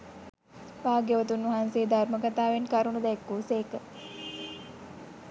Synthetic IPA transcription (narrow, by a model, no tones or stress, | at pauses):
ʋaːɡjəʋət̪unʋɐɦanseːd̪arməkat̪aːʋenkaɾunud̪ɛkːuːseːkə